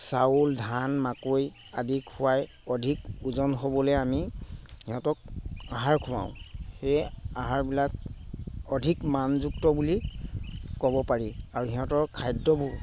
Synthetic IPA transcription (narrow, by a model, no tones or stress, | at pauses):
sauldʱanmakoj | adikʰʊwaj | ɔdʱikuzɔnɦobɔlɛjamihiɦɔtɔk̚aɦaɹkʰʊwã̰ʊ̃xejaɦaɹbilak | ɔdʱikmanzuk̚tɔbuli | kɔbɔpaɹiaɹuɦiɦɔ̃tɔɹkʰajdɔbu